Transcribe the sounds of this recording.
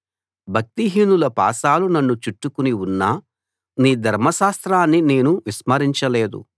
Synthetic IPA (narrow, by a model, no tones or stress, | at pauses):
bʱɐk̚t̪iɦiːnulɐpa̰ːsaːlunɐnːut͡ʃuʈːukuniunːa | niːd̪ʱɐɾmɐʃaːst̪ɾaːnːine̞ːnuʋismɐɾiɲt͡ʃɐle̞ːd̪ṵ